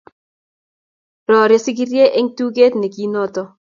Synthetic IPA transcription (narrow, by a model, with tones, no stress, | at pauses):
ɾɔ˨ɾe˨˦sɪ˦ɡi˦ɾje˦ʔe˦ŋtu˦ɡe˦tne˨ki˦nɔ˦tɔ˦